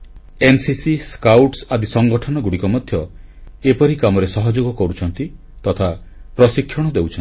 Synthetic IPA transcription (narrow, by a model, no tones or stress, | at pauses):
ensisiskawʈsad̪isɔŋɡɔʈʰɔnɔɡuɽikɔmɔd̪ʱjɔepɔɾikamɔɾesɔɦɔd͡ʒoɡɔkɔɾut͡ʃʰɔnt̪i | t̪ɔt̪ʰa | pɾɔsikʰːjɔɽ̃ɔd̪ewt͡ʃʰɔn